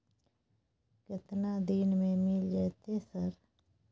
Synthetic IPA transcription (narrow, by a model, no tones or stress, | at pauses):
kɪt̪nad̪iːnmẽmɪld͡ʒɛːt̪esəɾ